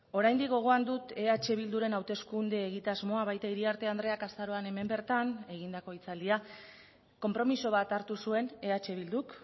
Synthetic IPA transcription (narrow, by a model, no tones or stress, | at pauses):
o̞ɾajnd̪ikɡo̞ɣ̞o̞and̪ut̪e̞at͡ʃe̞β̞ild̪uɾe̞nawt̪e̞skund̪eːɣ̞it̪azmo̞aβajt̪aiɾiaɾt̪e̞and̪ɾe̞akast̪aɾo̞ane̞me̞mbe̞ɾt̪ane̞ɣind̪ako̞it͡sald̪ia | ko̞mpɾo̞miso̞β̞at̪aɾt̪usue̞ne̞at͡ʃe̞β̞ild̪uk